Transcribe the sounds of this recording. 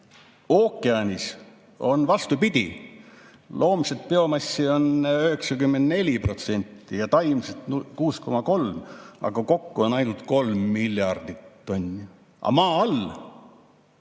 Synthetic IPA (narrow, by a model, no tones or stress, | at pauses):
o̞ːkˑːeɑnʲis | o̞nvɑst̪upid̪̥ʲi | lʔo̞ːmset̪̚pe̞o̞mɑsʲːio̞nøhe̞ksɑkymːe̞nd̪̥ne̞lʲipro̞t̪se̞nʲt̪ːijɑt̪ɑjmset̪kuːsko̞mɑko̞lmɑ̰ɡ̥ɑko̞kːuo̞nɑjnut̪ko̞lmːilʲːjɑrd̪̥it̪ːo̞nʲː | ʔɑ̰mɑːɑl